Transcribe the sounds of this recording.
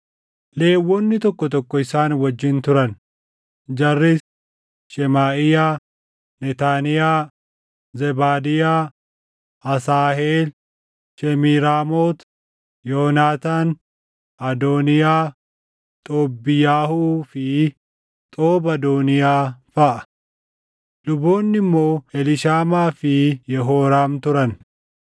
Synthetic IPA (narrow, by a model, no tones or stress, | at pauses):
le̞ːwːɔnːɪt̪ɔkːɔt̪ɔkːɔɪsaːnwɐd͡ʒːɪnt̪ʊɾɐn | d͡ʒɐrːɪ | ʃɛmaːʔɪjaː | nɛt̪aːnɪjaː | zɛbaːd̪ɪjaː | ɐsaːheːl | ʃɛmiːɾaːmoːt̪ | joːnaːt̪aːn | ʔɐd̪oːnɪjaː | t̪ʼoːbːɪjaːhuːfɪ | t̪ʼoːbɐd̪oːnɪjaːfɐʔɐ̥ | lʊbo̞ːnːɪmːo̞ːɛlɪʃaːmaːfɪjɛɦoːɾaːmt̪ʊɾɐn